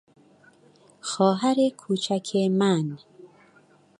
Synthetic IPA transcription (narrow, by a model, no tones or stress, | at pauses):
xɔːɦaɾekʰuːt͡ʃʰakʰeman